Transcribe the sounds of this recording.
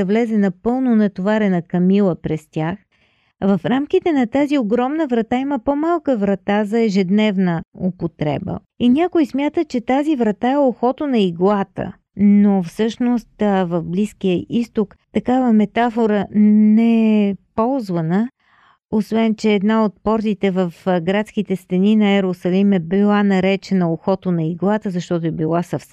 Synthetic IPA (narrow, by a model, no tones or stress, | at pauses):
ɐvlɛzɛnɐpɤlˠnonɐt̪ovaɾɛnəkɐmilˠəpɾɛst̪ʲax | vɐfɾamk̟it̪ɛnɐt̪azioɡɾɔmnəvɾɐt̪aiməpomalˠkəvɾɐt̪azɐɛʒɛd̪nɛvnəopot̪ɾɛ̰bə̰ | inʲakoismʲjat̪ət͡ʃɛt̪azivɾɐt̪aɛoxɔt̪onɐiɡlˠat̪ə̰ | nofsɤʃnost̪vɐvbliskijəʔist̪ok | t̪ɐkavəmɛt̪afoɾənɛɛpɔlˠzvənə | osvɛnt͡ʃɛːd̪naot̪̚pɔɾt̪it̪ɛvəfɡɾat̪skit̪ɛst̪ɛninɐɛɾosɐlimɛbilˠanɐɾɛt͡ʃɛnəoxɔt̪onɐiɡlˠat̪əzɐʃt̪ɔt̪ʊɛbilˠasɐfsɛ